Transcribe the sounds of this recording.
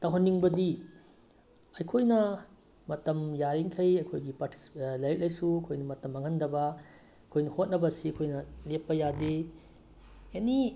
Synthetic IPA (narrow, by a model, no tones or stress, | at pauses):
tɐwɦɐnːiŋbɐdi | ɐjkʰojnɐ | mɐtɐmjaɾiŋkʰɐjɐjkʰojɡipaɾtʰi̥slɐjɾik̚lɐjsuɐkʰojnɐmɐtɐmɐŋɦɐndɐbɐ | kʰojnɐhot̚nɐbɐsiɐkʰojnɐlepːɐjade | eni